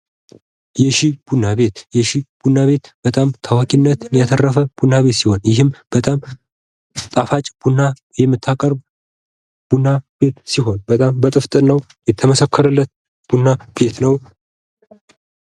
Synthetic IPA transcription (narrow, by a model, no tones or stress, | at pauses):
jɛʃib̥unːaβe̞t̪jɛʃib̥unːaβe̞t̪b̥ət̪ʼamt̪ʰawakʼinːət̪njat̪ʰərːəfəb̥unaβe̞t̪siho̞njɪɦɨmb̥ət̪ʼam | t̪ʼafat͡ʃʼb̥unːa | jɛmːɨt̪ʰːakʼəɾb | b̥unːab̥e̞t̪siɦo̞nbət̪ʼambət̪ʼɨft̪ʼɨnəw | jɛt̪ʰːəməsəkʰːəɾɨlːət̪̚ | b̥unːab̥e̞t̪nəw